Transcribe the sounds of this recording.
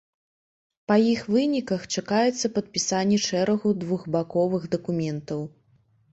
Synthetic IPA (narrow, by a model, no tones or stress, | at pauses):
pɐjixvɨnʲikɐxt͡ʂakajɛt̪sːɐpɐt̪̚pʲisanʲːɛʂɛɾɐɣud̪vuɣbakɔvɨɣd̪ɐkumʲɛnt̪ɐw